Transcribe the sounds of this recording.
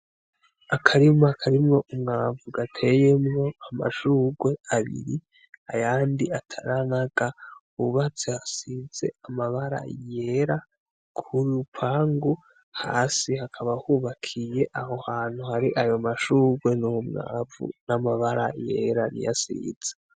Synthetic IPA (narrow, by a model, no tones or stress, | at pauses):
akʰaɾimoakʰaɾimŋo̞ʔumŋaːvuɡatʰe̞jemŋo̞ama̰ʃuːɡwe̞aβḭɾi | ajaːndiatʰaɾanaɡa | uβat͡sehasiz̥e̞̰amaβaɾa̰je̞ɾa | kʰuɾupʰaːŋɡu | ha̰ːsihakʰaβahuβakʰije̞ʔaho̞haːn̥huhaɾiʔajo̞maʃuːɡwe̞nuumŋa̰ːvṵnamaβaɾajḛɾanḭja̰sḭz̥e̥